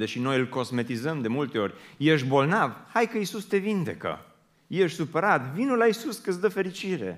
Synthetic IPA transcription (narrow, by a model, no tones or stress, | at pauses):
d̪eʃino̞jɨlko̞zme̞t̪izəmd̪e̞mult̪e̞o̞rʲjeʃ̬bo̞lnavhajkəisust̪e̞vind̪e̞kə̰ | jeʃʲsupəɾat̪vinulaisuskəsd̪əfe̞ɾit͡ʃiɾe̞̰